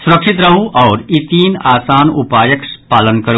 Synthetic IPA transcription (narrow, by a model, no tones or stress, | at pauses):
sʊɾəkʂit̪ɾɐɦũʔɔːɾit̪iːnaːsaːnupaːjəkspaːlənkɐɾ